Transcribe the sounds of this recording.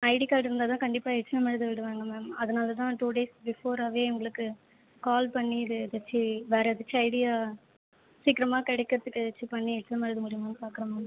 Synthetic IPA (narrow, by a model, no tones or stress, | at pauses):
ɐɪɽikaːʈːɪɾɯnd̪aːt̪ãːkɐɳɖɪpːaːɛʈt͡ʃːɪnɐmɐɾɪðɯʋɪɽɯʋaːŋɡɐmeːmɐðɐnaːlɐt̪̬ãːʈuːɖeːsbɪfoːɾaːʋeːʊŋɡɐɭɯkːɯ | kaːlpɐɳːiːðɯɪðɐt͡ʃːɯʋeːɾɐɪðɐt͡ʃːɯɐɪɽɪjaː | siːkɪɾɐmaːkɛɽɛkːɪɾɐðɯkːɪðɛt͡ʃːɯpɐɳːiɛʈt͡ʃːnɐmɐɾɪðɯmʊɽɪjɐmaːnɯpaːɾkɯɾɐmaːm